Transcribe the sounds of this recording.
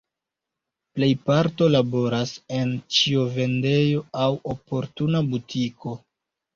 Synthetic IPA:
ple̞jpaɾto̞labo̞ɾase̞nt͡ʃiove̞nde̞jo̞awopo̞ɾtunabutʰiko̞

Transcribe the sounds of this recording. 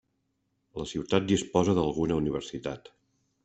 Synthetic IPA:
ləsiwt̪at̪̚d̪ispɔzəðəlˠɣunəuniβ̞əɾsit̪at̪

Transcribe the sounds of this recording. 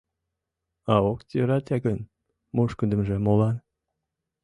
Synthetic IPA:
ɑokt̪ʲiɾɑt̪ʲɑkən | muʃkənd̪ə̆mʒĕmolɑn

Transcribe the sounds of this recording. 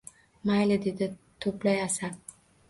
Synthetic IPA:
majlɪd̪e̞d̪ɪt̪ʰɵplajasaɾ

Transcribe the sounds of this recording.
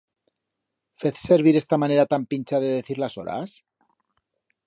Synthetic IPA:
feθseɾβ̞iɾest̪amaneɾat̪ampinʲt͡ʃaðeðeθiɾlasoɾʔa̰s

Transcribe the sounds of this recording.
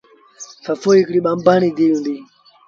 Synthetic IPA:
fafoikliɓambanid̪iundi

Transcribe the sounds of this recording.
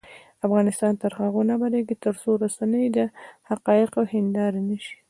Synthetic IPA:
afɣɑnɪst̪ɑnt̪əɾxaɣunabaleɡit̪əɾsoɾasanəjd̪əhaqɑjɪqawhɪnd̪ɑɾnəʃi̥

